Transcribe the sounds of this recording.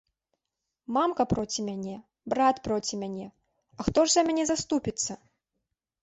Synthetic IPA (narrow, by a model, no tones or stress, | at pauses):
mamkɐpɾɔt͡sʲimʲanʲɛ | bɾat̪pɾɔt͡sʲimʲanʲɛ | ɐxt̪ɔʐzɐmʲanʲɛzast̪upʲit̪sːɐ